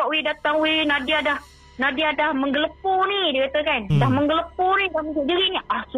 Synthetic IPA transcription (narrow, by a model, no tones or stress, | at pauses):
aʔwidat̪aŋwinadiadah | nadiadahməŋɡələp̚ʊnidekat̪akandahməŋɡələpʊnidahmisiʔdiɾiniahsu